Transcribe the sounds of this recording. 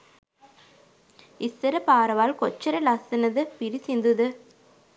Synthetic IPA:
ɪsːɐɾɐpaːɾɐʋaːlkɔt͡ʃːɐɾɐlɐsɐnɐðɯpɪɾisind̪ɯðɯ

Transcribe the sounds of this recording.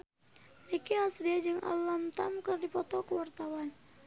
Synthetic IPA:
nikiasdiad͡ʒɨŋʔa̰lamt̪amkərdipɔt̪ɔkəwart̪awan

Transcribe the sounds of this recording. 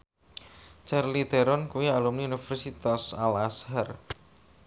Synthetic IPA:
t͡ʃarlid̪̥ɛɾɔnkuwialumniunifɛrsit̪asalashɛr

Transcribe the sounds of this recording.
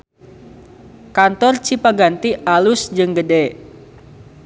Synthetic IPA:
kant̪ɔrt͡ʃipaɡant̪iʔalusd͡ʒɨŋɡədɛ

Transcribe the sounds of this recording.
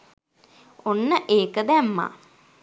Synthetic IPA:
onːəʔeːkəd̪æmːa̰

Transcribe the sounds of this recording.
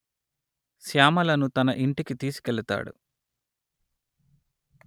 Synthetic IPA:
sjaːmɐlɐnut̪ɐnɐʔiɳʈikit̪iːsi̥keɭit̪a̰ːɽṵ

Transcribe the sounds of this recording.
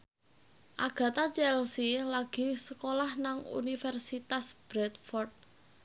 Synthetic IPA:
ʔaɡ̥ä̤t̪at͡ʃɛlsilaɡ̥i̤səkolahnaŋṵnifɛrsit̪asb̥ɾɛt̪̚fɔrt̪̚

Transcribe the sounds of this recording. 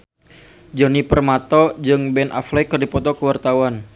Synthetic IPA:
d͡ʒɔnipərmat̪ɔd͡ʒɨŋbɛnʔa̰flɛkɨrdipɔt̪ɔkəwart̪awan

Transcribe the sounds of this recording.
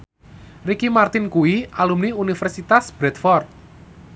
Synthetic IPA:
rikimart̪ɪnkuiʔalumniunifɛrsit̪asb̥ɾɛt̪fɔrt̪̚

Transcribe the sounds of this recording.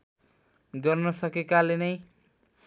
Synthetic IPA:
ɡʌrnʌsʌkekalenʌj | s

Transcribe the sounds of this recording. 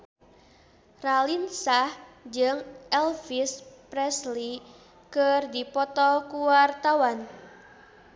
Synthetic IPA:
ralinsahd͡ʒɨŋʔɛlfispɾɛsli | kərdipɔt̪ɔkuwart̪awan

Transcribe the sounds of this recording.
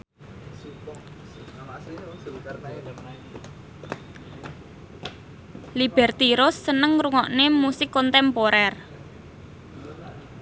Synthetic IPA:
lib̥ɛrt̪iɾʊsːənəŋɾuŋɔʔnemusɪkːɔnt̪ɛmpoɾɛr

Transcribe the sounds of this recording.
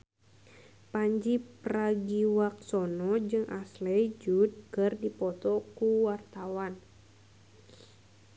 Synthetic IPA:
paɲd͡ʒipraɡiwak̚sɔnɔd͡ʒɨŋʔaslɛd͡ʒud̪̚kɨrdipɔt̪ɔkuwart̪awan

